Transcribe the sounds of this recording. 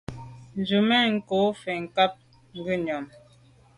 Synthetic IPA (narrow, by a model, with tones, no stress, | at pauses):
n̩˨d͡ʒu˨mɛ˦˨ŋ̩˨ko˨˦fe˨ŋ̩˨ka˦p̚ | ŋ̩˦ɡi˦ɲɔ˨m